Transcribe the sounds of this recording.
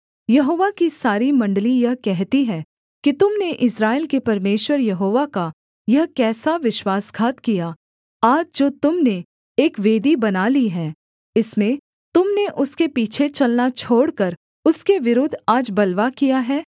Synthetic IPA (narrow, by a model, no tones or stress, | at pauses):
jɐɦoːʋakisaːɾimɐ̃ɳɖlijɐɦkɛɦt̪iɦɛː | kit̪ʊmneʔɪsɾaːɪlkepɐɾmeːʃwəɾjɐɦoːʋaka | jɐɦkɛːsaʋɪʃwaːsɡʱaːt̪kija | aːd͡ʒd͡ʒoːt̪ʊmne | eːkʋeːd̪ibɐnaːliɦɛː | ɪsmẽ | t̪ʊmneʔʊskepiːt͡ʃʰet͡ʃɐlnat͡ʃʰoːɽkɐɾ | ʊskeʋɪɾoːd̪ʱaːd͡ʒbɐlʋakijaɦɛː